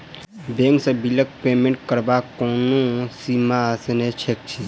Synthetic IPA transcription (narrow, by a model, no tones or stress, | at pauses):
bẽːŋksẽbilək̚peːmẽɳʈ̚kəɾbakoːnõsimasnet͡ʃʰek̚t͡ʃʰi